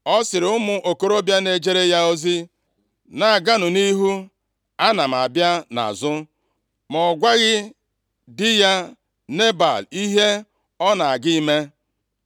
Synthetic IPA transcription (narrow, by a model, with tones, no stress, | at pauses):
ɔ˦sɪ˨ɾɪ˨ʊ˦mʊ˦ʔo˨ko˦ɾo˦bja˦ne˨d͡ʒe˦ɾe˦ja˦o˦zi˦ | na˨ɡa˦nʊ˨ni˦ɦu˦ | a˦na˨m̩˨a˨bja˦na̰˨zʊ˦ | mɔ˨ɡʷa˦ɣɪ˦ | dɪ˦ja˦ | ne˦ba̰˨li˦ɦe˦ | ɔ˦na˨a˨ɡi˦i˦me˦